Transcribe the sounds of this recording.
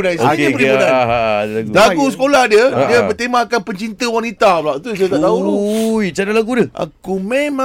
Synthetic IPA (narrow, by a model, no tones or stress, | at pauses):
najsəədiənãn | aɡusəkolahdjədiəbət̪emakanpəɲt͡ʃint̪əwanit̪ablaʔt̪ust̪aʔt̪aujt͡ʃadalaɡudəʔa̰kumẽmã